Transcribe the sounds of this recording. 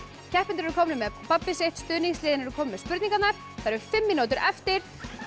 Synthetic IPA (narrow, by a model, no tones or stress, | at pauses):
cʰɛhpɪnɪɾɛɾkʰɔːmnʏmɛpapːɪseht̪st̪ʏːniŋslɪːðɪnɛɾʏkʰɔːmʏnmɛðspʏɾt̪niŋkat̪naɾ̥ | θaðɾɛɾʏ̥fɪmːinut̪ʏɾʔɛft̪ɪɾ̥